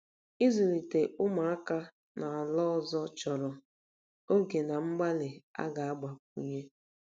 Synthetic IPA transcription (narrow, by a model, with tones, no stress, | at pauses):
i˦zʊ˨ɾi˨te˨ʔʊ˦ma˨a˦ka˦ | na˨a˨lɔ˦˨zɔ˦t͡ʃɔ˨ɾɔ˨ | o˦ɡe˨na˨ŋ͡m̩˦ɡ͡ba˦lɪ˨a̰˦ɡa˨a˦ɡ͡ba˨k̚ṵ˦ɲe˦